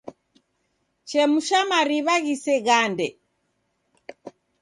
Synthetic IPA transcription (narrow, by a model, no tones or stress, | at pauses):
t͡ʃɛmuʃamaɾiβaɣisɛɣandɛ